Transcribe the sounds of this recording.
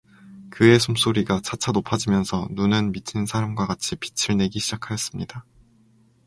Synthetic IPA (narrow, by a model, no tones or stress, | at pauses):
kɯe̞sʰums͈oɾiɡat͡ɕat͡ɕʰanopʰad͡ʑimjʌnsʰʌnunɯnmit͡ɕʰinsʰaɾamɡwaɡat͡ɕʰipi̥t͡ɕʰiɭne̞ɡiɕʰid͡ʑakʰajʌs͈ɯmɲida